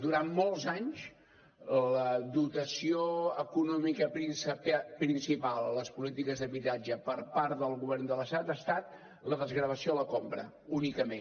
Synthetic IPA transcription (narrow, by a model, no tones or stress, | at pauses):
d̪uɾanmɔlˠzaɲs | ləd̪ut̪əsioəkunɔmikəpɾinsppɾinsipalˠləspulit̪ikəzðəβit̪ad͡ʒəpəɾpaɾt̪ðəlˠɣuβɛrnd̪ələst̪at̪ast̪at̪̚ | ləðəzɣɾəβ̞əsioələkompɾə̰ | unikəmen